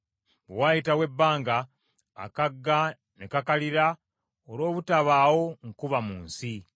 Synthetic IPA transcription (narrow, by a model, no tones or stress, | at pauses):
bewajitawe̞bːaːŋɡa̰ː | kaɡːa | nekakaliɾa | olo̞ːβutaβaːwo̞ŋkuβamuːnsi